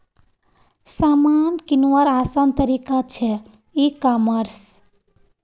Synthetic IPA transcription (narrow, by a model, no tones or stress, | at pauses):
samankinuwəɾasant̪əɾikat͡ʃʰɛ | ikaməɾs